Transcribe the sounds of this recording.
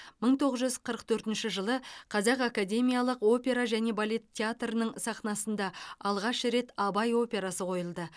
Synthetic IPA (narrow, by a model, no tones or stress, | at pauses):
məɴt̪ʰo̞ʁəzʒʏzqʰəɾəqt̪ʰɵɾt̪ɪnʃɪʒəlˠəqʰɑzɑqakad̪ʲe̞mijalˠəqo̞pʲe̞ɾaʒæne̞balʲe̞t̪ʰʲːeat̪rənəɴsɑqnɑsənd̪ɑɑlˠʁɑʃɾe̞t̪ɑbɑjo̞pʲe̞ɾasəqʰo̞jəlˠd̪ə